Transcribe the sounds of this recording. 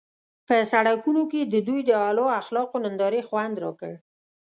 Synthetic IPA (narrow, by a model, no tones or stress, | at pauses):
pəsaɽakunoked̪əd̪ujd̪əɑlɑaxlɑqonənd̪ɑɾexwand̪ɾɑkəɽ